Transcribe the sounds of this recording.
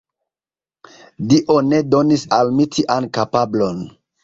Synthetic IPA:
diʔo̞ne̞do̞nisalmitʰiʔankapablo̞n

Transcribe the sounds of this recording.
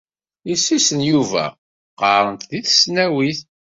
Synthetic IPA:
isːisənjuvæ̰ | qəɾˤənt̪ðiθə̥snæwiθ

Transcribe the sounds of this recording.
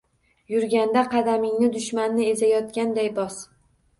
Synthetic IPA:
jʊɾɡʲand̪aqʰɑd̪amɪŋnɪd̪ʊʃmanːɪe̞zajɒt̪̚kʲand̪ajbɒs

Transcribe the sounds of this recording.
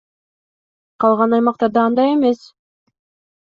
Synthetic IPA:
qʰɑlˠʁɑnɑjmɑq̚t̪ɑɾd̪ɑɑnd̪ɑje̞me̞s

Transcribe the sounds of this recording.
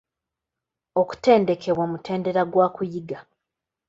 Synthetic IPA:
o̞ku̥te̞ːnde̞kʰe̞βwamutʰe̞ːnde̞ɾaɡwaːkujiɡa

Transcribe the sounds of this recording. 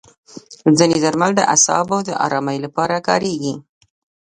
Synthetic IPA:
zəned̪aɾmald̪ə̰ʔa̰sɑ̰bawd̪əʔɑ̰ɾɑmajlapɑɾakɑ̰ɾeɡi

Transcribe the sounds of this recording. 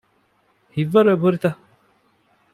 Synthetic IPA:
hivaɾəbəɾt̪a

